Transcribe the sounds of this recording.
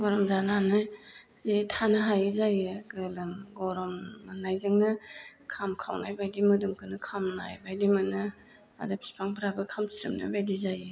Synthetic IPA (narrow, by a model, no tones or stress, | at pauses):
ɡɔɾɔmzananɯ | zetʰanɯɦajzajɯɡɯlɯmɡɔɾɔmnajzɯŋnɯkʰamkʰa̰wna̰jbajdimɯdɯmkʰɯnɯkʰamna̰jbajdimɯnɯ | a̰dɯpʰi̥spʰaŋbʰɾabɯkʰamsiɾɯ̰mnɯ̰bajdizajɯ